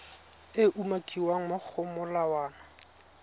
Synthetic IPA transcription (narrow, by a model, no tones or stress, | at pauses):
ɪʔumakʼiwaŋ̩mʊk͡xʰʊmʊlawaːna